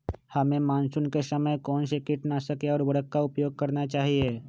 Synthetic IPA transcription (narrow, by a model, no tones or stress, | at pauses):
hɐmẽmaːnsʊnkesɐməjkɔːnʃekɪʈnasɐkeɔːɾʋɐɽəkːaʊpjoːɡ̚kɐɾnat͡ʃaːɦieː